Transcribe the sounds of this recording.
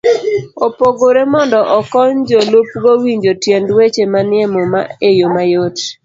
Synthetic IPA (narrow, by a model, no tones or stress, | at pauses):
opoɡoɾemɔndɔʔɔkɔɲd͡ʒolup̚ɡowiɲd͡ʒotjendwet͡ʃemanɪɛmoma̰ejomajot